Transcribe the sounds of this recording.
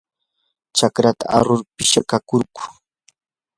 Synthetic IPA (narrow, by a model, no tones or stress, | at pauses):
t͡ʃakɾat̪a̰a̰ɾʊɾpɪʃakakʊɾkʊ̥